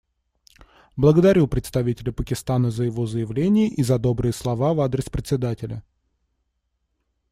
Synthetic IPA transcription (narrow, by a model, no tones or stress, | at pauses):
blˠəɡəd̪ɐɾʲupɾʲɪt̪st̪ɐvʲitʲɪlʲɪpəkʲɪst̪anəzəjɪvo̞zəjɪvlʲenʲɪjəʔizɐd̪o̞bɾɨjəslˠɐvavad̪ɾʲɪspɾʲɪt̪sʲɪd̪atʲɪlʲə̰